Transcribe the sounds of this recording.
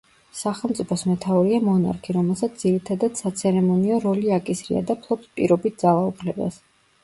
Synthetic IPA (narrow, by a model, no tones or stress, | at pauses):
saχɛlˠmt̪sʼipʰɔsmɛt̪ʰauɾiamɔna̰ɾkʰiɾɔmɛlˠsat̪sʰd̪iɾit̪ʰad̪ad̪̥sat̪sʰɛɾɛmɔniɔɾɔliakʼisɾḭa̰d̪apʰlˠɔpspʼḭɾɔbit̪̚ʰd̪zalˠaupʰlɛba̰s